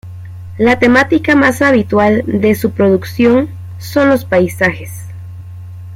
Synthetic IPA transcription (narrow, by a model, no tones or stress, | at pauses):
lat̪e̞mat̪ikamasaβit̪wald̪e̞supɾo̞ðuksjo̞ŋ | so̞nlo̞spajsaxes